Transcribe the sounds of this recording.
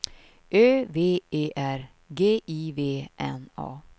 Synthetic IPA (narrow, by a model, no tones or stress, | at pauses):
ʔøːveːeːʔæɾ | ɡeːʔiːveːʔɛ̰nɑ̰ː